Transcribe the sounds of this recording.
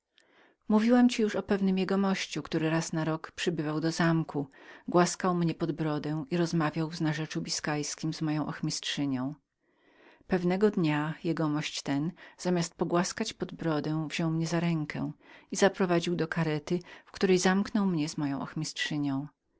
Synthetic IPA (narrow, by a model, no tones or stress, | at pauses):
muvʲiwamt͡ɕijuʂɔpɛvnɘmjɛɡɔmɔɕt͡ɕukt̪uɾɘɾasnaɾɔkpʂɘbɘvawd̪ɔzamkʰuɡwaskawmɲɛpɔd̪bɾɔd̪ɛ̃w̃iɾɔzmavʲjawvznaʐɛt͡ʂubʲiskajskʲimzmɔjɔ̃w̃ʔɔxmʲistʂɘɲɔ̃w̃ | pɛvnɛɡɔd̪ɲajɛɡɔmɔɕt͡ɕt̪ɛnz̥amʲjast̪̚pɔɡwaskat͡ɕpɔd̪bɾɔd̪ɛ̃w̃vʑɔ̃wmɲɛzaɾɛŋkʰɛ̰̃izapɾɔvad͡ʑiwd̪ɔkaɾɛt̪ɘfkt̪uɾɛjzamknɔwmɲɛzmɔjɔ̃ʔɔ̰xmʲistʂɘɲɔ̃w̃